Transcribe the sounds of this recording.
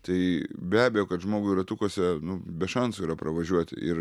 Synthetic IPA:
t̪ɐɪbʲæːbʲɛjoːkɐt̪ʒmoːɡʊɾɐt̪ʊkuɔsʲɛnʊbʲɛʃɐnsʊiɾɐpɾɐʋɐʒʲuɔt̪ʲɪ̰ɪr

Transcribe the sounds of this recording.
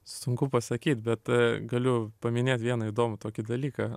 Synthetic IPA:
sʊŋkʊpɐsɐkʲiːt̪ʲbʲɛt̪ɡɐlʲʊpɐmʲɪnʲeːt̪ʲʋʲiɛnɐid̪oːmʊt̪oːkʲɪd̪ɐlʲiːkɐ

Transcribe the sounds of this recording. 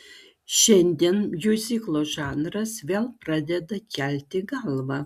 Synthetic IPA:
ʃʲɛnʲd̪ʲiɛnjuzʲiːklˠoːʒɑːnrɐsʋʲeːlˠprɑːd̪ʲɛd̪ɐkʲʰæːlʲt̪ʲɪɡɑlˠvɐ

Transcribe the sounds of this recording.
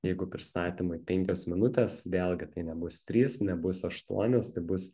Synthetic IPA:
jɛɪɡʊpʲɾʲɪst̪ɑːt̪ʲiːmʊipʲɛŋʲkʲoːsmʲɪnʊt̪ʲeːsʋʲeːlʲˠɡʲɪt̪ɐɪnʲɛbʊst̪ʲɾʲiːsnʲɛbʊsɐʃt̪ṵɔnʲoːst̪ɐɪbʊs

